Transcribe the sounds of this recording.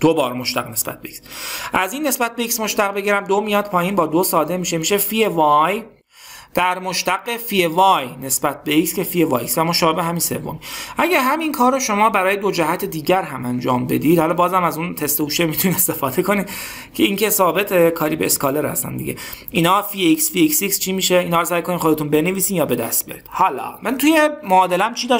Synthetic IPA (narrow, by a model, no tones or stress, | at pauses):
d̪̥obɒːɾmoʃt̪æ̰ɣne̞sbæ̰t̪̚beiksʔæziːnːe̞sbæt̪̚beiksmoʃt̪æɣbe̞ɟiːɾæmd̪omijɒːd̪pʰɒːjiːnbɒːd̪osɒːd̪e̞miːʃemiːʃe̞fievɒj | d̪̥æɾmoʃt̪æɡefijevɒːjne̞sbæt̪̚ʰbeiksce̞fievɒːjisvæmoːʃɒːbebeɦæminse̞̰vːo̰miʔæɟæɾɦæminkʰɒːɾoʃo̞mɒːbæɾɒːjed̪o̞d͡ʒæɦæt̪ʰed̪iːɟæɾɦæmænd͡ʒɒ̰ːmbe̞̰d̪iːd̪hɒlɒːbɒːzæmæzunt̪ʰe̞st̪ehuːʃemit̪ʰuniːd̪e̞st̪e̞fɒːd̪e̞kʰo̞niːd̪ | cʰe̞iːŋcʰe̞sɒːbet̪ʰekʰɒːɾiːbeːskɒːleɾhæ̰st̪æ̰nd̪ḭɟḛ | iːnɒːfieiksfiiksikst͡ʃʰiːmiːʃeinhɒːsæːjkʰoniːχxo̞d̪e̞t̪unbe̞neviːsiːnjɒːbe̞d̪æ̰st̪̚b̥ijɒ̰ɾiːd̪̥hɒlɒ̰ːmænt̪ʰuːjemoːd̪elæmt͡ʃʰiːd̪ɒ